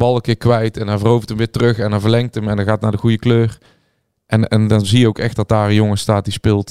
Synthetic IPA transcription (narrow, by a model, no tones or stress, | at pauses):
bɑlˠəkɪːɹkʋɛjtɛnaːvərowvətəmʋɪːɹtərɵxɛndavəɹlɛŋk̚təmɛndɑnɣaːtnaːɹdəɣujəkløːr | ʔɛnɛndɑnzijəowkɛxtdɑt̚daːrəjoŋəstaːt̚dispɪːlˠt